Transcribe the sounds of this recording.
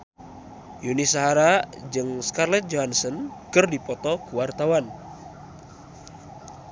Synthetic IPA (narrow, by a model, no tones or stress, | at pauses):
junisaɦaɾad͡ʒɨŋskarlɛt̪̚d͡ʒoɦansənkɨrdipɔt̪ɔkuwart̪awan